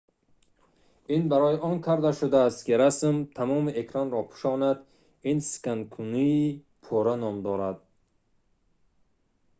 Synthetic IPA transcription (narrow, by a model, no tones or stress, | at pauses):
inbaɾɔjiʔɔŋkʰaɾd̪aʃud̪aːst̪kiɾasmt̪ʰamɔmiekʰɾanɾɔpʰu̥ʃɔnad̪ | insi̥kankʰuniː | pʰɔɾanɔmd̪ɔɾad̪̚